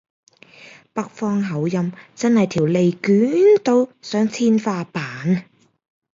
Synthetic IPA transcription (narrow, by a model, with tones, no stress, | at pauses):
pɐ˧˥k̚fɔː˧ŋɦɐ˨˥wjɐ˧mt͡sɐ˥nhɐ˨jt̪ʰiː˨˩wle˨jkyː˨˥nt̪o˧wsœː˨˥ŋt͡sʰiː˥nfaː˧paː˨˥n